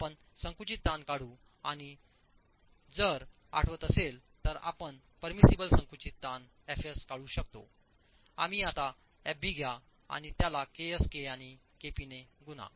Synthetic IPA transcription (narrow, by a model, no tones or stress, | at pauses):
apəɳ | sə̃ŋkut͡ɕit̪ːankaɽuː | aɽ̃i | d͡zəɾ | a̰ʈʰʋət̪əselt̪əɾa̰pəɳ | pəɾmisibəlsə̃ŋkut͡ɕit̪ːan | ɛfeskaɽuːɕəkt̪o̰ | a̰miat̪a | ɛbʱiɡʱja | a̰ɽ̃it̪jalakeəskeañi | kepineɡuna̰